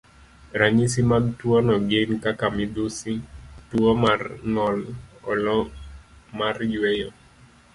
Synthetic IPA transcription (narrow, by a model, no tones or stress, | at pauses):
ɾaɲisimaɡtwɔnɔɡenkakamɪdusituɔmarnɔlɔlɔ | marjwɛjɔ